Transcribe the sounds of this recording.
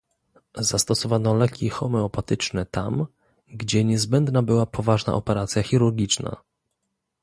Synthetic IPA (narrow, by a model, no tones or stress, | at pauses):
zast̪ɔsɔvanɔlɛkʲʰixɔmɛɔpat̪ɘt͡ʂnɛt̪am | ɡd͡ʑɛɲɛzbɛnd̪nabɘwapʰɔvaʐna̰ʔɔpɛɾat̪sʲjaxʲiɾuɾɡʲit͡ʂna̰